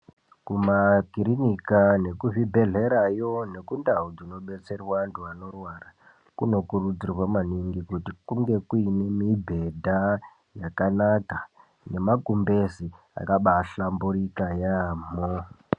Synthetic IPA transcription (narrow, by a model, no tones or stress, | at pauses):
kumakiɾinikane̞kuvibʱe̞ɮe̞ɾajo̞ne̞kundaud͡zino̞ɓe̞t͡se̞rwantʰuano̞rwara | kuno̞kurud͡zirwamaniŋɡikutikuŋɡe̞kuine̞mibʱe̞dʱa | jakanaka | ne̞makumbezi | a̰kaɓaɬambuɾikajamo